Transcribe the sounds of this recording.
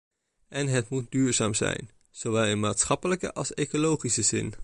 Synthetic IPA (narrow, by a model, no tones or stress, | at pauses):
ʔɛnɦətmut̚dyːɹzaːmzɛ̰jn | z̥owʋɛlˠɪnmaːtsχɑpələkə̰ʔɑlˠsejkolowχisəzɪ̰n